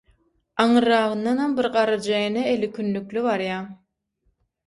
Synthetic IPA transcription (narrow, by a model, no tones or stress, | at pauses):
ɑɴɯɾɑʁɯnd̪ɑnhɑmbiɾqɑɾɯd͡ʒɑjneelikʲʰynlyklyβɑɾjɑ